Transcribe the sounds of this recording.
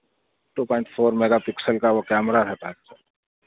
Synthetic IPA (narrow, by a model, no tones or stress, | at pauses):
ʈupɔːɪ̃ɳʈpʰoːɾmɛɡapɪksəlkaʋokɛːmɾaɾɛt̪aːka